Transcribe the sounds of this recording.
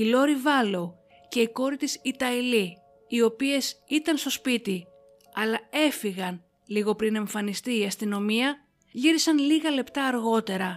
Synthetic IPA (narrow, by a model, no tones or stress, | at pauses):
ilo̞ɾivɐlo | ce̞iko̞ɾit̪isit̪ɐiliː | o̞pie̞sit̪ɐnst̪o̞spit̪i | ɐlɐe̞fiɣɐn | liɣo̞pɾine̞ɱfɐnist̪iːɐst̪ino̞miɐ | ʝiɾisɐnliɣɐle̞pt̪ɐːɾɣo̞t̪e̞ɾɐ